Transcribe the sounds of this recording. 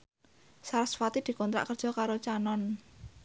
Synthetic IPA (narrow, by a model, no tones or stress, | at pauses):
saɾasfat̪id̪̥i̤kɔnt̪ɾa̰ʔkərd̥ʒ̥ɔ̤kaɾot͡ʃanɔn